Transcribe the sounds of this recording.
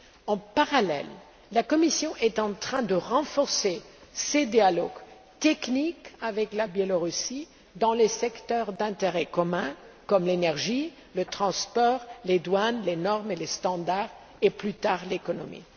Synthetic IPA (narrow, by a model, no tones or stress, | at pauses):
ɑ̃paʁalɛ̰lː | akɔmisjɔ̃ʔɛt̪ɑ̃t̪χɛ̃d̪əʁɑ̃fɔʁse | sed̪jalɔɡ | t̪ɛknikavɛklabjɛlɔʁysi | d̪ɑ̃lesɛkt̪œʁd̪ɛ̃t̪eʁɛkɔmɛ̃kɔmlenɛʁʒi | lət̪χɑ̃spɔːʁled̪wanlenɔʁmelest̪ɑ̃d̪aʁ | eplyt̪aːʁlekɔnɔmḭ